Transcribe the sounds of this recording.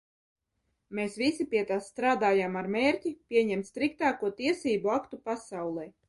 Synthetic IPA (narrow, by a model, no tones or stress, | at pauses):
meːsvisipiɛt̪asːt̪ɾaːd̪aːjaːmaɾmeːɾʲcʲipʲiɛɲɛmt̪st̪ɾik̚t̪aːkuɔt̪iɛsiːbuakt̪upasawlˠɛj